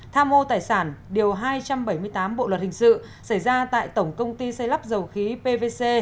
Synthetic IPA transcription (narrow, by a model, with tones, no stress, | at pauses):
t̪ʰaː˧mʔo˧t̪aː˨˩jsaː˧˩nɗi˨˩əwɦaː˧jt͡ɕa˧mɓə˧˩jmɨ˧əjt̪aː˨˦mɓo̰˧˨lwə˨˩t̚hï˨˩ŋ̟sɨ̰˧˨ | sa˧˩jzaː˧t̪a̰ː˧˨jt̪ə˧˩wŋ͡mkə˧wŋ͡mt̪i˧sa˧jla˦˥p̚zə˨˩wxi˨˦pe˧ve˧se˧